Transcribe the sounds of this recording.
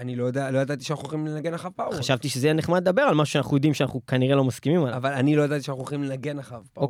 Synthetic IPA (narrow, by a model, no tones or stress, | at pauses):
anilojad̪alojad̪at̪iʃanaχuχimlenaɡe̞naχavpaχaʃavt̪iʃezejaneχmad̪̚d̪abe̞ʁalmaʃuʃeanaχujo̞d̪imʃeana̰nukaniʁelo̞maskimimalavalanilo̞jad̪at̪iʃanaχuχimlenaɡe̞naχavpa